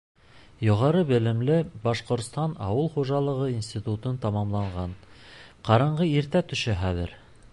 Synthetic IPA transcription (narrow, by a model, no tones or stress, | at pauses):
jŏʁɑɾɤbɘ̆lɘ̆mlɘbɑʃqŏɾt̪st̪ɑnɑ̰wɤlˠχuʒɑlˠɤ̆ʁɤinsʲt̪ʲit̪ut̪ɤnt̪ɑmɑmlˠɑɴʁɑnqɑɾɤɴɢɤiɾt̪æt̪ɵ̆ʃɘχæðɘ̰ɾ